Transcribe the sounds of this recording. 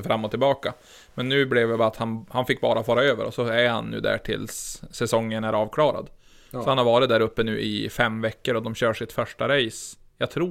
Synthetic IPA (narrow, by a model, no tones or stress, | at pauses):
fɾamːɔt̪ʰːɪlbɑːka | mɛnːʉ̟ːblɛvd̪ɛbɛat̪hanhanfɪkːbɑ̰ːɾafɑːɾaøːvə̰ɾɔsɔæɾha̰nːʉ̟ːd̪æ̰ːʈʰɪ̰lsːɛsɔŋːənæɾɑːvkʰlɑːɾa̰d̪ | sɔhanhaɾvɑːɾɪt̪d̪æːɾɵpːənʉ̟ːʔɪ̰fɛmːvɛkːəɾɔd̪ɔmɕøːʂɪt̪fœʂʈaɾɛjs | jɑɡt̪ʰɾuː